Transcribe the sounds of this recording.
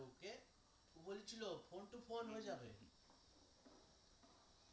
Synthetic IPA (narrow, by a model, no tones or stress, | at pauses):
ke | bolet͡ɕʰilofʰonʈufʰonɦoed͡ʑabḛ